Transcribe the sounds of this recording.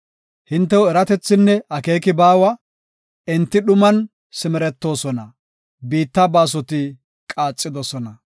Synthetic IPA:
hɪnt̪ːɛwʊɛɾɐt̪ɛt͡sːɪnːɛɐke̞ːkɪbaːwɐ | ɛnt̪ːɪɗʊmɐn | sɪmɛɾɛt̪ːo̞ːsɔnɐ | biːt̪ːɐbaːs̬ɔt̪ɪ | kʼaːt͡sʼːɪd̪ɔsɔnɐ

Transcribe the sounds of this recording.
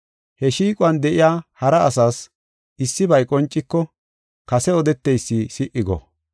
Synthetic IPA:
hɛʃiːkʼʊɐnd̪ɛʔɪjaːhɐɾɐːsaːs | ʔɪsːɪbɐjkʼɔnt͡ʃʼːɪkːɔ | kɐsɛɔd̪ɛt̪ːɛjsːiːsɪʔːɪɡɔ̰

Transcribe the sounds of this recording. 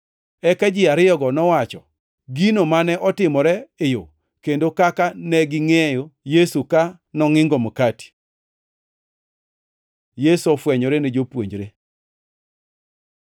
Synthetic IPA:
ɛkad͡ʒɪaɾɪjɔɡɔnɔwat͡ʃɔ | ɡinomanɛʔɔtɪmɔɾɛɪjo | kendokakanɛɡɪŋejojesuka | nɔŋɪŋɡomkati̥ | jesɔfwɛɲɔɾened͡ʒopwo̰ɲd͡ʒɾe

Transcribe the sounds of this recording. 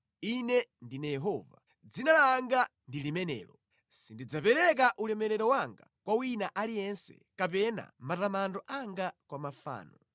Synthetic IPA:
inɛndinajɛɦɔːva̰ | d͡zinalaŋɡandilimɛnɛ̰ːɾɔ | sindid͡zapɛɾɛk̬aʔulɛmɛɾɛɾɔwaŋɡa̰kwawinaʔalijɛnsɛ̰kapɛna̰matamandɔʔaŋɡakwamafa̰ːnɔ

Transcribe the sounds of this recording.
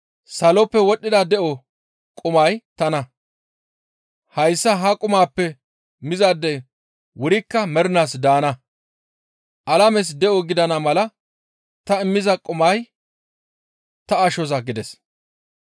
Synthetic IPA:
sɐlɔpːɛwɔɗːɪd̪ɐd̪ɛʔɔ | kʼʊmɐjt̪ɐnɐ | hɐjsːɐɦɐkʼʊmaːpːɛ | mɪzad̪ːɛ | wʊɾɪkːɐmɛɾnaːsd̪aːnɐ | ʔɐlɐmɛs̬d̪ɛʔɔɡɪd̪ɐnɐmɐlɐ | t̪ɐɪmːɪzɐkʼʊmɐj | t̪ɐɐʃɔzɐɡɪd̪ɛs

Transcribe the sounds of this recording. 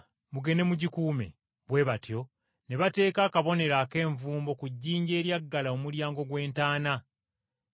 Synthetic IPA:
muɡe̞ne̞muɟikuːme̞̰ | βwe̞βatjo̞ | ne̞βate̞ːkaːkaβo̞ne̞ɾake̞ːɱvuːmbo̞kuɟːiːɲɟe̞ːɾjaɡːalaomuljaːŋɡo̞ɡwe̞ːntaːna

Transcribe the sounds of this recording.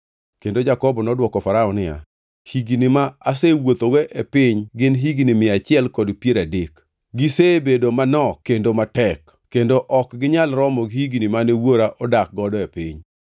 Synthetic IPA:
kendod͡ʒakɔbɔnɔdwɔkɔfaɾaɔnɪa̰ | hiɡinimaasewot̪oɡeʔepɪɲɡɪnɦiɡnimɪat͡ʃɪɛlkɔdpjeɾadɪk | ɡɪsebedomanɔkendomatɛk | kːendoʔɔkɡɪɲalɾɔmɔɡhiɡnimanewoɾaʔɔdak̚ɡɔdɔepɪɲ

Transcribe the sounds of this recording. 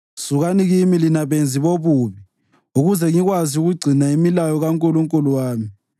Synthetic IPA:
suɣaniɣimilinaβend͡zʱiβoβuβi | uɣuzɛŋiɣwaziuɣuɡ͡ǀʱinaimilajɔɣaŋkʼuluŋkʼuluwaːmi

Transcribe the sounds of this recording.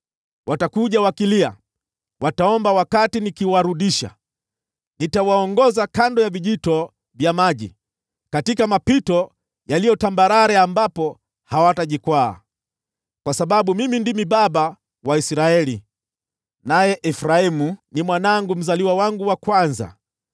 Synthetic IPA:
wʔatakuʄawakilia̰ | wʔataɔmbawakatinikiwaɾuɗiʃa̰ | nitawaɔŋɡɔzakandɔjaviʄitɔ | vjamaʄḭ | katikamapitɔ | jalijɔtambaɾaɾɛambapɔ | hawataʄikwa̰ː | kwasaɓaɓumimindimiɓaɓa | waisɾaɛli | najɛʔɛfɾaimunimwanaŋɡum̩zaliwawaŋɡuwakwanza̰

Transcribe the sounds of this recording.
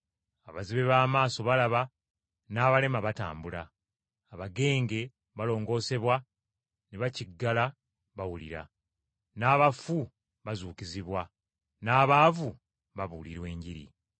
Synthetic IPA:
aβaziβe̞βaːmaːso̞βalaβa | naːβale̞maβata̰ːmbula̰ː | βaɡe̞ːŋɡe̞ | βalo̞ːŋɡo̞ːse̞βwa | neβaciɡːala | βawulḭɾa̰ | naːβafu | βazuːkiziβwa | naːβaːvu | βaβuliɾwe̞ːɲɟiɾḭ

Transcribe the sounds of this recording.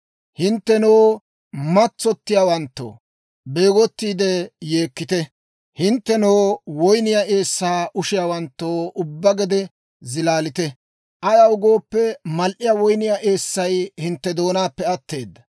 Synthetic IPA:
hɪnt̪ːɛnoː | mɐt͡sːɔt̪ːɪjaːwɐnt̪ːo̰ː | be̞ːɡɔt̪ːiːd̪ɛje̞ːkːɪt̪ɛ | hɪnt̪ːɛnoːwɔjnɪjaʔe̞ːsːaːʔʊʃɪjaːwɐnt̪ːoːʔʊbːɐɡɛd̪ɛ | zɪlaːlɪt̪ɛ | ʔɐjɐwʊɡo̞ːpːɛmɐlʔɪjawɔjnɪjaʔe̞ːsːɐjhɪnt̪ːɛd̪o̞ːnaːpːɛɐt̪ːe̞ːd̪ːɐ

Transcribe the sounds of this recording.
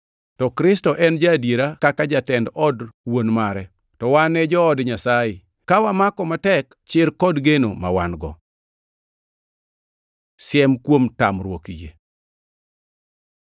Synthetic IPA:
tɔkɾɪstɔʔɛnd͡ʒadjeɾakakad͡ʒatɛndɔdwonmaɾɛ | tɔwanːɛd͡ʒɔːdɲasajɪ | kawamakɔmatɛk | t͡ʃɪɾkɔdɡeno̰ma̰wa̰nɡɔ̰ | sjɛmkwomtamɾwokijḛ

